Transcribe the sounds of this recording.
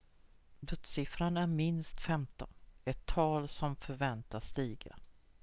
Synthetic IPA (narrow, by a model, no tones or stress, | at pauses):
d̪ɵt̪sɪfɾanæɾmɪnst̪fɛmt̪ɔ̰nɛt̪ʰːɑːlsɔmfœɾvɛnt̪ast̪iːɡa̰